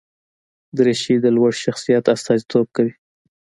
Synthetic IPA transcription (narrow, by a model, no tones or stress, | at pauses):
d̪əɾeʃid̪əlwaɽʃaxsijat̪ast̪ɑzit̪ʰob̚kawi